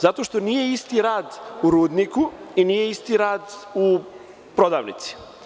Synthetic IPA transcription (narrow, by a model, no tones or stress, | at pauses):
zat̪o̞ʃt̪o̞nije̞ist̪iɾaːd̪uɾuːd̪nikuiniːje̞ist̪iɾaːd̪u | pɾo̞d̪a̰ːʋnḭt̪si̥